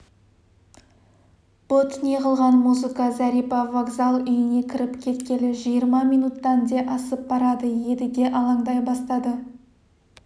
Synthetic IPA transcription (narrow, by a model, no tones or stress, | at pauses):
b̥ot̪ʰneqəlˠʁɑnmuzɨkɑzæɾijpɑvaɡzalˠʏjɪne̞kʲʰɪɾɪpkʲʰe̞t̪kʲe̞lɪʒijəɾmɑmijnut̪ːɑnd̪e̞ʔɑsəp̚bɑɾɑd̪əje̞d̪ɪd̪e̞ʔɑlˠɑɴd̪ɑjbɑst̪ɑd̪ə